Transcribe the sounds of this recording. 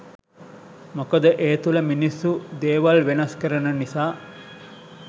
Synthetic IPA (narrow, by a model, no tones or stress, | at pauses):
mokɐd̪ɐʔeːt̪ulɐminisːud̪eːʋɐlʋenɐskɐɾɐnɐnisaː